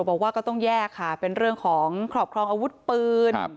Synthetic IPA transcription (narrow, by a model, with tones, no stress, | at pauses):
bɔː˨˩k̚waː˥˩kɔ˥˩t̪ɔ˥˩ŋjɛː˥˩kʰːa˥˩pe˧nɾɯ˥˩əŋkʰɔː˩˦ŋkʰɾɔː˨˩p̚kʰɾɔː˧ŋʔaː˧wu˦˥t̪̚pɯː˧n